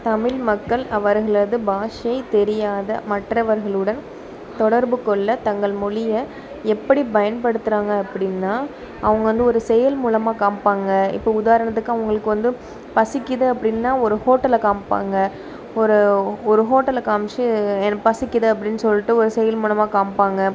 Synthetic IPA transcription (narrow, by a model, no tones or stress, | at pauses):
t̪ɐmɪlmɐkːɐɭɐʋɐɾɣɐɭɐðɯbaːʂɐjɐɪt̪ɛɾɪjaːðɐ̰mɐʈrɐʋɐɾɣɐɭɯɽɐn | t̪ɔɽɐɾbɯkːɔɭːɐt̪ɐŋɡɐɭmʊlɪjɐ | ɛpːɐɽipɐjɐnpɐɽɯt̪ːɯɾaːŋɡɐːpːɐɽɪnːaː | ɐʋɐŋɡɐʋɐnd̪ɯɔɾɯsɛjɐlmuːlɐmaːkaːmpaːŋɡɐɪ̰pːɐʊðaːɾɐɳɐt̪ːɯkːɯɐʋɐŋɡɐɭɯkːɯʋɐnd̪ɯ | pɐsɪkʲːɪðɯɐpːɐɽɪnːaːɔɾɯhoːʈːɐlɐkaːmpa̰ːŋɡɐ | ɔɾɯɔɾɯɦoːʈːɐlkaːmt͡ʃːɯɛnɐpɐsɪkːɪðɯɐpːɐɽɪnːɯsɔlːɪʈːɯɔɾɯsɛjɐlmuːlɐmaːkaːmpaːŋɡɐ